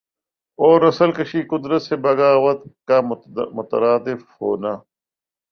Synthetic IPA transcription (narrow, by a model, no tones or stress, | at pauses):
oːɾɐsəlkəʃiːkʊd̪ɾət̪sebɐɡaːʋɐt̪̚kamʊt̪ə̰ɾaːd̪ɪfho̰ːnaː